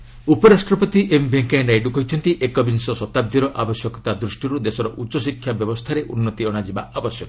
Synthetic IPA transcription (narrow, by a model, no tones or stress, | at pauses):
upɔɾasʈɾɔpɔt̪iʔembeŋkeɖajɖukɔjt͡ʃʰɔnt̪iʔekɔbinsɔsɔt̪ab̚d̪ʱiɾɔʔabɔsjɔkɔ̥t̪ad̪ɾusʈiɾud̪esɔɾɔʔut͡ʃːɔsikʰːjabjɔbɔst̪ʰaɾeʔunːɔt̪iɔɽ̃ad͡ʒibaʔabɔsjɔkɔ